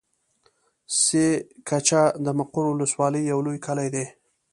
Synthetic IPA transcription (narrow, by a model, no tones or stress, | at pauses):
sekʰat͡ʃad̪əmaqʊɾwʊləswɑləjːawlojkʰalajd̪e